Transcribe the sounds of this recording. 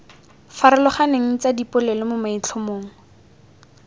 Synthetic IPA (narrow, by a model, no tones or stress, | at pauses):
faɾɪlʊχaneŋ̩t͡sadipʊlɛlɪmʊmait͡ɬʰʊmoːŋ̩